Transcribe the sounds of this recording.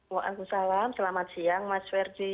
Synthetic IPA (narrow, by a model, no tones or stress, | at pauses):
waʔa̰kusalamsəlamat̪̚sijaŋmaswɛrd͡ʒi